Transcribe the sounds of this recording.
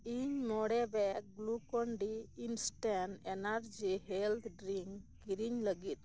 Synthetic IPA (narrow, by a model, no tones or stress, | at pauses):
iɲmɔɽɛbɛɡlukɔɳɖiːnsʈɛnenaɾd͡ʒiɦɛlt̪ʰɖɾiŋkɡiɾiɲləɡit̪̚ˀ